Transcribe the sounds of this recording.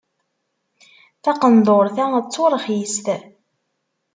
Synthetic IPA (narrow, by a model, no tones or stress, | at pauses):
θɑqənd̪ˤoɾθæt͡sːoɾˤəχjist̪